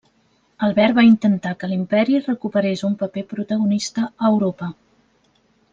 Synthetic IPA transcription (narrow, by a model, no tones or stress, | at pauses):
əlˠβɛɾbaint̪ənt̪akəlimpɛɾirəkupəɾesumpəpepɾut̪əɣunist̪əːwɾopə